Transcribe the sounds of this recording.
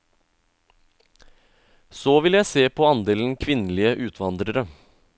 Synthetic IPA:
soːʋɪljæɪseːpʰoɑnd̪eːln̩kʰʋɪnlɪəʔʉːt̪ʰʋɑnd̪ɾəɾə

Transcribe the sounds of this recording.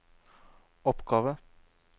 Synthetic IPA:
ɔpɡɑːʋə

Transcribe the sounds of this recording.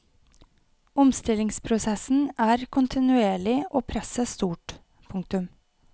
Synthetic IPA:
ʊmst̪ɪlɪŋspʰɾʊsɛsn̩æːɾkʰʊnt̪ʰɪnʉeːɭɪʔoːpʰɾɛsəst̪uːʈ | pʰʊŋk̚t̪ʉm

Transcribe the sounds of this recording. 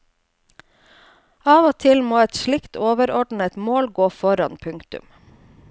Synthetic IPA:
ɑːʋoːt̪ʰɪlmoːɛt̪ʃɭɪkt̪ʰoːʋəɾɔɖɳ̩ɛt̪moːlɡoːfɔɾɑ̰npʰʉŋkt̪ʉ̰m

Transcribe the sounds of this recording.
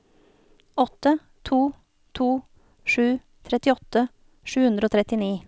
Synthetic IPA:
ɔt̪ə | t̪ʰuː | t̪ʰuː | ʂʉː | t̪ʰɾɛt̪ɪɔt̪ə | ʂʉːhʉnd̪ɾoːt̪ʰɾɛt̪ɪniː

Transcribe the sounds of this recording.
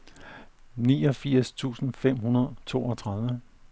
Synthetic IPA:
niːɒ̽fiɐ̰st͡sʰṵːsn̩fem̰ɦunɐð̩ˠt͡sʰo̝ːɒt͡sʰʁäðˠʋə

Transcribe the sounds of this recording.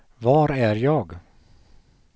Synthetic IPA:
vɑːɾæɾjɑːɡ

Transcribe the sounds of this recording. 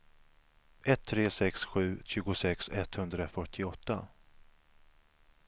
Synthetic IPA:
ʔɛt̪ʰːɾeːsɛksɧʉ̟ːɕʉ̟ːɡʊsɛksɛt̪hɵnd̪ɾafœʈʰːɪɔt̪ːa̰

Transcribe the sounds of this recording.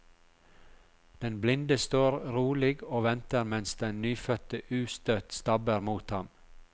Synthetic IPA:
d̪̥ɛnblɪnd̪əst̪oːɾɾuːlɪɡoːʋɛnt̪əɾmɛnsd̪ɛnnyːfœt̪əʔʉːst̪œt̪st̪ɑbəɾmuːt̪hɑm

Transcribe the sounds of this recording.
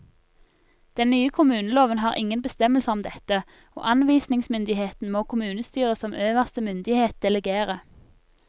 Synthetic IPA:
d̪̥ɛnnyːəkʰʊmʉːnəloːʋənɦɑːʁʔɪ̰ŋənbəst̪ɛməlsəʁɔmd̪ɛt̪ə | o̰ːʔɑnʋiːsnɪŋsmʏnd̪ɪheːt̪n̩moːkʰʊmʉːnəst̪yːʁəsɔmʔøːʋəʁst̪əmʏnd̪ɪheːt̪̚d̪̥ɛləɡeːʁə

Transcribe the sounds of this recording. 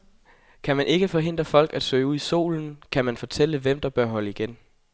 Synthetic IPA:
kʰæmænʔe̝ɡ̥əfɒ̽ɦe̝n̰d̥ʁɐəfɒ̽l̰ɡ̥æd̥sø̰ɪuð̰ˠiso̝̰ːln̩kʰæmænfɒ̽t͡sʰel̰əʋem̰d̥ɑ̈b̥ɶɐɦɒ̽ləiɡ̥en

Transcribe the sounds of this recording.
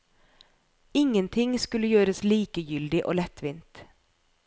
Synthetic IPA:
ɪŋənt̪ʰɪŋskʉləjøːɾəsliːkəjʏld̪ɪʔo̰ːlɛt̪ʋɪːnt̪

